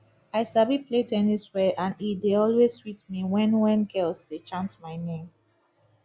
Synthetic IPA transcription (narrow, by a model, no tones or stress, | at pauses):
aɪsabipʰletɛniswɛʔãnditdeɔlweswitmiwɛ̃nwɛ̃nɡɛlsdet͡ʃãntmaɪnẽm